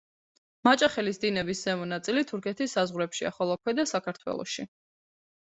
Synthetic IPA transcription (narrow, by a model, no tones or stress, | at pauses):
mat͡ʃʼaχɛlisd̪inɛbisz̥ɛmɔnat̪sʼilit̪ʰuɾkʰɛt̪ʰisːazʁwɾɛpʃia̰χɔlˠɔkʰwɛd̪asakʰaɾt̪ʰwɛ̰lˠɔ̰ʃi